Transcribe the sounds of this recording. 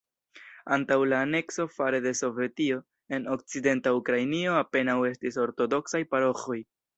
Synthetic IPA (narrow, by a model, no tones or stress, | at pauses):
antawlaːne̞kso̞faɾe̞de̞so̞ve̞tio̞ | e̞no̞k̚t͡side̞ntaukɾajnio̞ape̞nawe̞stiso̞ɾto̞do̞ksajpaɾo̞xo̞j